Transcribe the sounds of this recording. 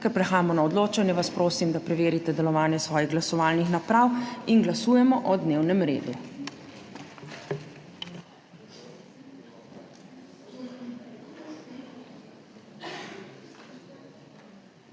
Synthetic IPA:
kɛɾpɾɛxaːjamɔnaɔd̪loːt͡ʃanjɛʋaspɾoːsimd̪apɾɛʋeːɾit̪ɛd̪ɛlɔʋaːnjɛsʋɔːjiɣɡlasɔʋaːlnixnapɾawinɡlasuːjɛmɔʔɔd̪neːwnɛmɾḛːd̪u

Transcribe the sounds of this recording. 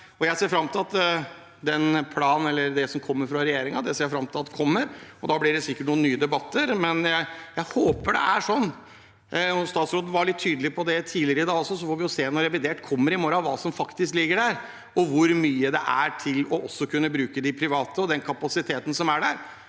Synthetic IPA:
ɔjæɪseːɾfɾɑmːt̪ʰɪlɑt̪ | d̪ɛnpʰlɑːnn̩ɛlːəɾd̪ɛsɔmkʰɔmːəɾfɾɑɾɛjeːɾɪŋɑd̪ɛseːɾjæfɾɑmt̪ʰɪlɑt̪d̪ɛkʰɔmːəɾɔd̪ɑːblɪɖɛsɪkːəʈ̚ɳuːənyːəd̪ɛbɑt̪ːəɾmɛnjæɪjæɪhoːpəɖɛ̰æʂɔnː | ɔst̪ɑːt̪sɾoːd̪n̩ʋɑɭɪt̪ʰːyːd̪əlɪpʰɔd̪ɛt̪ʰiːlɪəɾəɪd̪ɑːɡɔsːɔsɔfoːɾʋɪjʊseːɛnːɔɾɛʋɪd̪eːʈkʰɔmːəɾɪmoːɾɑʋɑːsɔmfɑkt̪ɪsklɪɡːəɖæɾ | ɔʋʊɾmyːəd̪ɛ̰ʔæʈʰɪlɔʔɔsːɔkʰʉnːəbɾʉːkəd̪ɪpʰɾɪʋɑːt̪əɔd̪ɛnkʰɑpɑsɪt̪ʰeːt̪ənəsɔmæɖæɾ

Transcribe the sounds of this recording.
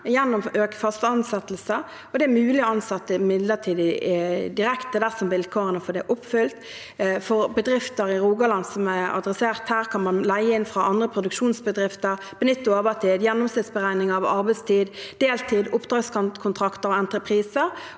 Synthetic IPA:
jɛnːɔmøːkə̥fɑst̪əɑnsɛt̪lsə | ɔd̪ɛæmʉːlɪɔɑnsɛt̪ːəmɪd̪lət̪ʰiːd̪ɪd̪ɪɾɛkt̪əd̪æsɔmʋɪlkʰoːʁənəfɔd̪ɛʔɔpːfʏlt̪ | fɔʁbəd̪ʁɪft̪əɾɪʁuːɡɑlɑnd̪sɔmæɑ̰d̪ʁɛseːʁt̪hæːʁkʰɑnmɑnlæɪəɪnfʁɑʔɑnd̪ʁəpʰʁʊd̪ʉkʃuːnsbəd̪ʁɪft̪əʁ | b̥ənɪt̪ːʊɑʁbɑt̪ʰiːd̪jɛnːɔmsɪt̪sbəʁæɪnɪŋɑʋɑʁbæɪst̪ʰiːd̪d̪̥eːlt̪ʰiːd̪ʊpːd̪ʁɑːɡskɑnkʰʊnt̪ʰʁɑkt̪əɾɔɛnt̪ʁəpʰʁiːsəɾ

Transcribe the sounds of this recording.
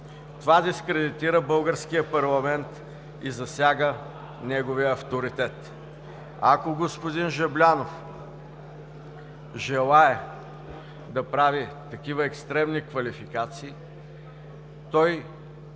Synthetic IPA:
t̪ovad̪iskɾɛd̪it̪iɾəbɤlˠɡəɾsk̟ijəpɐɾlˠɐmɛnt̪ | izɐsʲjaɡə | nɛɡoviəːft̪oɾit̪ɛt̪ | akoɡospod̪inʒɛblʲanof | ʒɛlˠaɛ | d̪ɐpɾavit̪ɐkʲivəɛkst̪ɾɛmnikvɐlifikat̪siː | t̪ɔj

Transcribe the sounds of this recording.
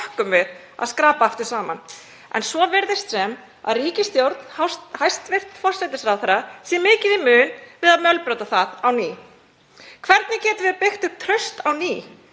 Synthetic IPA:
hkʏmvɪð | a̰ðskɾaːpaaft̪ʏɾ̥saːma̰n | ɛ̰nsvɔvɛɾðɪst̪sɛm | a̰ðriːcɪst̪jowɾt̪n̥hawshajst̪vɪr̥t̪fɔr̥sɛt̪ɪsɾawθɛɾasjɛmɪːcɪðimʏːnvɪðaðmjœlpɾœːwt̪aθaðawniː | kʰvɛɾt̪nɪcɛːt̪ʏvɪðpɪxt̪ʏɣt̪ʰɾœɥst̪awniː

